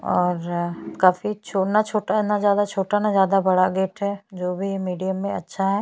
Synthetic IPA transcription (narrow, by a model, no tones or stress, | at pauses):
ɔːɾkaːfit͡ʃʰoːnat͡ʃʰoːʈaɦɛnazjaːd̪at͡ʃʰoːʈanazjaːd̪abɐɽaɡeːʈɦɛːd͡ʒoːbʱimiːɖijəmːẽɐtːʃʰaɦɛː